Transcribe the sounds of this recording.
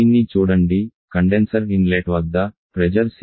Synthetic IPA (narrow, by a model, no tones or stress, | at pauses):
inːit͡ʃuːɽɐɳɖikɐɳɖensɐɾɡinleːʈʋɐd̪ːɐ | pɾɛd͡ʒɐɾs